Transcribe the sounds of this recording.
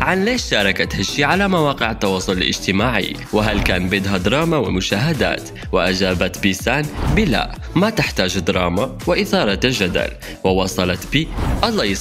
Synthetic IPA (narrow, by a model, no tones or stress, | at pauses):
ʕanleːʃʃɑːɾˤɑkat̪haʃːiːʕalamawɑːqɪʕat̪ːɑwɑːsˤʊllʔɪ̰d͡ʒt̪ɪmaːʕɪ̰ | wɪɦalkaːnbɪd̪ɦad̪ɑɾˤɑːmawɪ̰mʊʃaːɦad̪a̰ːt̪ | wɪʔad͡ʒaːbat̪bisaːnbɪla̰ʔ | mat̪ɪħt̪aːd͡ʒd̪ɾˤɑːma | wɪʔɪθɑːɾˤɑt̪ld͡ʒad̪a̰l | wɪwɑsˤɑlɑt̪biːʔɑlˤːɑj